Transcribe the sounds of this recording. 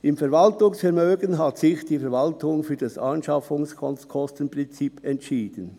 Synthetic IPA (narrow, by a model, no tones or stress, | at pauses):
ɪmfɛɐvɑltʊŋsfɛɾmøːɡənɦatsɪçd̥iːfɛɾvɑltʊŋfyːd̥ɑsɑ̰nʃɑfʊŋskʰɔnskʰɔstənpʁɪnt͡sipʰɛntʃiːd̥ən